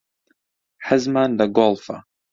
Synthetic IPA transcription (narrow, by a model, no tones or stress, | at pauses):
ħəzmandaɡɔlfa